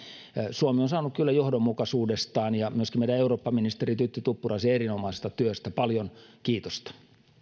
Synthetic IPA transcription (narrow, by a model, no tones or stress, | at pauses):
suomionsɑːnukkylːæjohdomːukɑsuːdest̪ɑːnjɑmyøskimeidæeuroːpːɑminist̪erit̪yt̪ːyt̪upːurɑseerinomɑisest̪ɑt̪yøst̪æpɑljonkiːt̪ost̪ɑ̥